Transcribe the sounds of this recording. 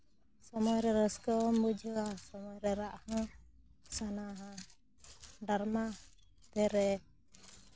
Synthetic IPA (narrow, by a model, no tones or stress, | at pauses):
sɔmɔjɾɛɾɔskɔmbud͡ʒəasɔmɔjɾɛɾaʔhɔ̃ | sanaɦã | daɾma | t̪ɛɾɛ